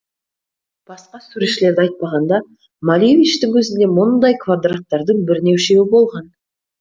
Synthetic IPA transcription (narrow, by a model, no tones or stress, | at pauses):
b̥ɑsqɑsuɾeʃɪle̞ɾd̪ɪɑjt̪̚pɑʁɑnd̪ɑ | malijevʲit͡ʃt̪ɪŋwɵzɪnd̪e̞mʊnnd̪ɑjkvad̪rat̪ːɑɾd̪əɴbɪɾne̞wʃe̞wɪbo̞lˠʁɑn